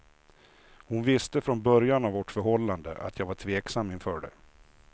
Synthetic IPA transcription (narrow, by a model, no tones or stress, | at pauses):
hʊnvɪst̪əfɾɔnbœɾjanavːɔʈfœɾhɔlːand̪ə̰ʔa̰t̪ʰjɑːɡvaʈʰveːksamːɪnfœːɖɛ̰